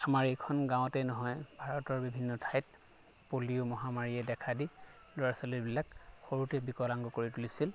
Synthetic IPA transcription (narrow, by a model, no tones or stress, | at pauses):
amaɹɛjkʰɔnɡãw̃tɛnɔɦɔjbʱaɹɔtɔɹbibʱinːɔtʰajt̚ | poliʊmɔɦamaɹiɛdɛkʰadi | dɔɹasɔlibilak | xoɹutɛbikɔlaŋɡɔkoɹitulisil